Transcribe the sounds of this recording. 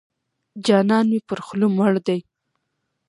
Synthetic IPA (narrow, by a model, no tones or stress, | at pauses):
d͡ʒɑnɑnmepəɾxlumaɽd̪aj